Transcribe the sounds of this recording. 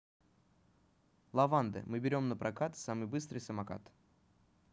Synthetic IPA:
lˠɐvand̪ɨ̰mɨbʲɪɾʲo̞mnəpɾʔɐkat̪samɨjbɨst̪ɾɨjsəmaka̰t̪

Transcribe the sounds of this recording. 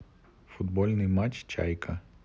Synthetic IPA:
fʊd̪bɔlʲnɨjmat͡ʃt͡ʃa̰jkʰɐ

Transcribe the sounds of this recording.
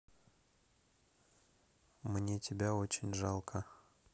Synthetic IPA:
mnʲe̞tʲɪbʲao̞t͡ɕɪnʲʐɑlˠkʰə

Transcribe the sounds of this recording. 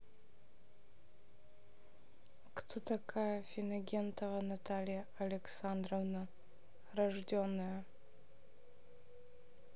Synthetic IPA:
kt̪ʰot̪ʰɐkʰajɐfʲinɐɡʲent̪ʰɐvɐnat̪ʰalʲija | ɐlʲeksand̪rovna | rɐʐdʲonːɨjɐ

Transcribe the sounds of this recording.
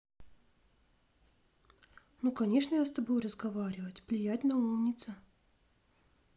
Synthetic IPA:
nukɐnʲe̞ʂnəjast̪ɐbojrəzɡɐvaɾʲɪvətʲvlʲɪjæt̚ʲnɐumnʲɪt̪sə

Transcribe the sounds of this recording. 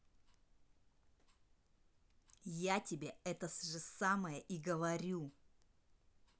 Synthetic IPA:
jatʲɪbʲeɛt̪əsʐɨsaməjəʔiɡəvɐɾʲu

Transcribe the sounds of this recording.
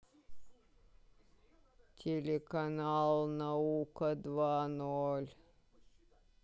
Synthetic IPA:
t̪ʰelekɑnɑːlˠnəuːkəd̪ʋɑːnɔl

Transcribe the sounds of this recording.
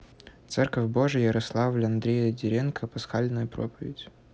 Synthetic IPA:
t̪sɛrkəfʲbo̞ʐɨjəɾɐslˠavlʲɐnd̪ɾʲejədʲɪɾʲenkʰəpɐsxalʲnəjʊpɾo̰pəvʲɪ̰dʲ

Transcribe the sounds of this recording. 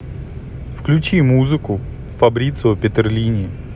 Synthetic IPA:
fklʲʉt͡ɕimuzɨkʊ | fɐbɾʲit̪sɨpʲɪt̪ɪrlʲinʲɪ

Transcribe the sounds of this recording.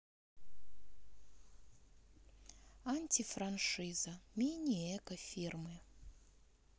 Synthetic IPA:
anʲtʲifɾanʂɨzɐmʲenʲijɛkəfʲirmɨ

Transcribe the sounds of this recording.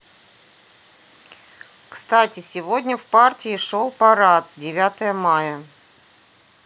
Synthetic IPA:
kst̪atʲɪsʲɪvodʲnʲəfpartʲɪɪʂolˠpɐɾat̪̚dʲɪvʲat̪əjəmajə

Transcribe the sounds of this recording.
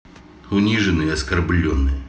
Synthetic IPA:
ʊnʲiʐɨnɨɐskɐrblʲɔnːɨj

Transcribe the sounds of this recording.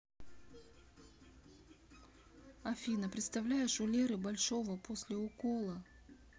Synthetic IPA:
ɐfʲinəpɾʲɪt̪st̪ɐvlʲæjɪʂʊlʲeɾɨbɐlʲʂo̞vəposʲlʲɪʊkolˠə

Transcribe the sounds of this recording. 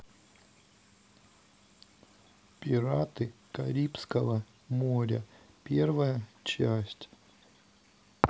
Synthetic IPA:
pʲɪɾat̪ɨkɐɾʲipskəvə | moɾʲə | pʲervəjət͡ɕæsʲtʲ

